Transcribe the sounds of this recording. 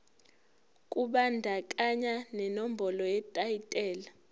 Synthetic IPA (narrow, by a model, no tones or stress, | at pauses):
kʼuɓandʱakʼaɲanɛnom̩bʱɔlɔjɛtʼaitʼɛːla